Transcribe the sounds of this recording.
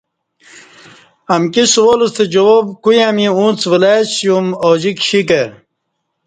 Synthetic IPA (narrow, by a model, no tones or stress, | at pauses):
ɐmkiswolust̪ʰed͡ʑowobkujamiũːnt͡swilasjumod͡ʑikɕike